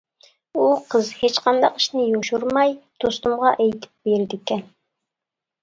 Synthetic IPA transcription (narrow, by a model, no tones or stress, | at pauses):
uqʰəzhet͡ʃqʰɑnd̪ɑqi̥ʃnɪjoʃuɾmɑjd̪̥ost̪umʁɑʔɛjt̪ʰɪ̥p̚beɾd̪ɪkʲɛn